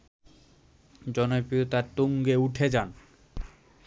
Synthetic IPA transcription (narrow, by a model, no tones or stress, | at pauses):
d͡ʑɔnopijot̪aɾt̪oŋɡeuʈʰed͡ʑan